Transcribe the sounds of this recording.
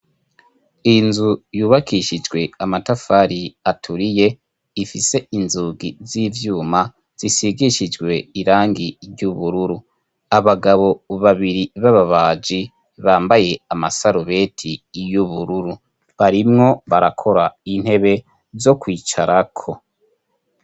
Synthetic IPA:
inzujuːβakʰiʃid͡ʒɡwe̞amatafaɾiatʰuɾije̞ | ifise̞inzuɡiziːvjuːma | z̥isiɡiʃid͡ʒɡwe̞iɾaːŋɡiɾɟuβuɾuɾu | aβaɡaβo̞βaβiɾiβaβaβaːd͡ʒi | βaːmbaje̞amasaɾuβe̞tʰijuβuɾuɾu | βaɾimŋo̞βaɾakʰo̞ɾain̥he̞βe̞ | zo̞kwiːt͡ʃaɾakʰo̞

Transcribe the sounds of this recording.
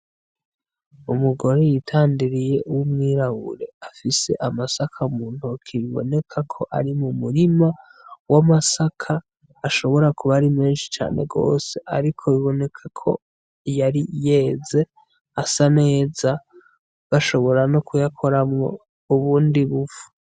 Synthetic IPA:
umuɡo̞ɾejitʰaːndiɾije̞ʔuwumŋiːɾaβṵɾe̞afise̞̰ʔamasakʰaumuːn̥hukʰiβiβo̞̰ne̞kʰakʰo̞ʔa̰ɾimumuɾima | wamasakʰaː | ʃo̞βo̞ɾakuβaɾimeːnʃi̥t͡ʃa̰ːne̞̰ɡo̞̰ːse̞ʔa̰ɾikʰo̞βiβo̞ne̞kʰakʰo̞̰ | jaɾije̞ze̞ | asane̞ːza | ɡ̥aʃo̞βo̞ɾanokujakʰo̞ɾamŋo̞ | uβuːndiβufu̥

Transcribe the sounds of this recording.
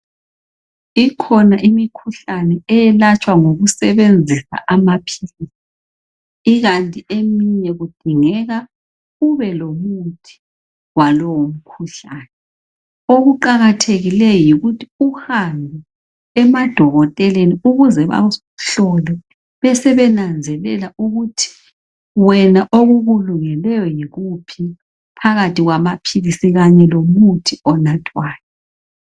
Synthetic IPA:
ikʰɔnaʔimikʰuɬanɛɛjɛlat͡ʃʼwaŋoɣusɛβend͡zʱisa̰ʔamapʰilisi̥ | iɣantʼiemiɲɛɣud̥ʱiŋɛɣa | uβɛlomutʰi̥ | walɔwom̩kʰuɬaːnɛ | oɣuǃaɣatʰeɣilɛjɔjiɣutʰiuhambʱɛ | ɛmad̥ʱɔɣɔtʼɛleniuɣuzɛβa̰ | ɬɔlɛ | βɛsɛβɛnand͡zʱɛlɛlauɣutʰi̥ | wɛnaʔoɣuɣuluŋɛlɛjɔjiɣupʰi | pʰaɣatʰiɣwamapʰilisiɣaɲɛlomutʰiɔnatʰʼwaːnɛ

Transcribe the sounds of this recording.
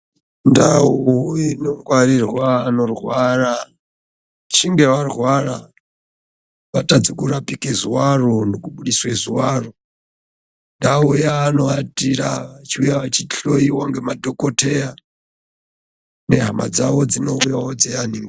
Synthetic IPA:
ndauujinoŋɡwaɾirwaːnorwaɾa | t͡ʃʰiŋɡɛwarwaɾa | βatʼad͡zikuɾapʼikɛzuwarondikuɓuɗiswɛzuwaru | ndaujaːnoatʼiɾa̰t͡ʃʰiujawat͡ʃʰiɬoiwaŋɡɛmadɔkʼotʰɛja | nɛɦama̰d͡zawɔd͡zinoujawɔd͡zɛaniŋɡ

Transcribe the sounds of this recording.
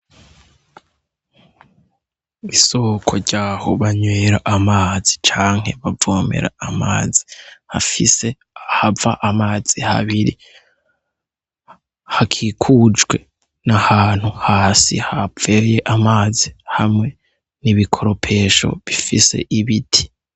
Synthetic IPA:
iso̞kʰo̞ɾɟaːhoβaɲweːɾaʔamaːzit͡ʃaːŋ̥he̞βavoːme̞̰ɾa̰ama̰ːzi̥hafise | havaʔamaːz̥iha̰βiɾḭ | hakʰiːkʰuːd͡ʒwe̞ | nahaːn̥huhaːsḭhave̞je̞ʔamaːzihamŋe̞ | niβikʰo̞ɾo̞pʰe̞ːʃo̞̰βifise̞̰ʔiβitʰi̥

